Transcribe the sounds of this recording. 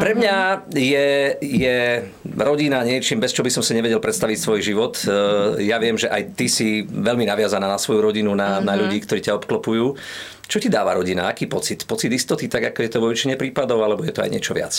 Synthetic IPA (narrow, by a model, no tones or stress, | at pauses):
pɾɛmɲajɛjɛ | ɾɔɟinaɲɪɛt͡ʃiːmbɛst͡ʃɔbisɔmsaɲɛʋɛɟɛlpɾɛt̪st̪aʋicsʋɔjʒiʋɔt̪jaʋɪɛmʒɛʔajt̪isiʋɛʎminaʋɪazanaːnasʋɔjuɾɔɟinunanaʎuɟiːkt̪ɔɾiːcaɔpklɔpujuː | t͡ʃɔcid̪aːʋa̰ɾɔɟina̰akiːpɔt͡sit̪pɔt͡sid̪ist̪ɔt̪it̪aɡakɔjɛt̪ɔʋɔʋit͡ʃiɲɛpɾiːpad̪ɔʊalɛbɔjɛt̪ɔa̰jɲɪɛt͡ʃɔʋɪa̰t͡s